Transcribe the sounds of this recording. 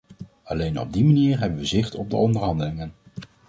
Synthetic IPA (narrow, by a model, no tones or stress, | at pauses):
ɑlejnɔ̰b̚dimaniːɹɦɛbənʋəzɪχtɔb̚də̰ɔndəɹɦɑndəlɪŋən